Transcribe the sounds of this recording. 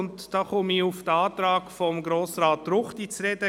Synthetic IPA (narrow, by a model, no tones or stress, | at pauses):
ʊntd̥ɑːχʊmiʊfd̥əɑːt̪ɾɑːkfɔmɡɾoːsɾɑːtɾʊχtit͡sɾɛdə